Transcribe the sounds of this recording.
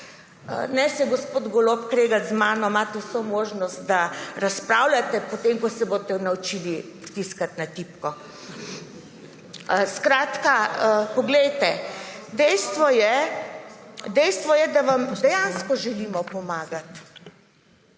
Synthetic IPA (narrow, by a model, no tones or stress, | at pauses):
ə̰nɛsɛɡɔspoːd̪ɡɔlopkɾeːɡazmaːnɔmaːt̪ɛwsomoːʒnɔst̪̚d̪aɾaspɾawlat̪ɛpɔt̪emkɔsɛboːt̪ɛnawt͡ʃiːli | t̪iskat̪nat̪ipkɔ | skɾaːt̪kaəpɔɡlɛjt̪ɛd̪ɛjst̪ʋɔjɛ | d̪ɛjst̪ʋɔjɛd̪aʋamd̪ɛjanskɔʒɛliːmɔpɔmaːɡat̪